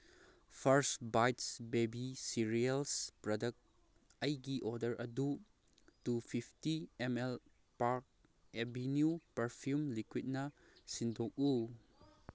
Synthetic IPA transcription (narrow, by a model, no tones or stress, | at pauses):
pʰɐɾsbajtsbebisiɾielspɾodɐk̚t | ɐjɡiʔodɐɾʔɐdu | tupʰipʰtiemel | paɾk̚ | ebinjupɐɾpʰjumlikwit̚nɐ | sindʱok̚u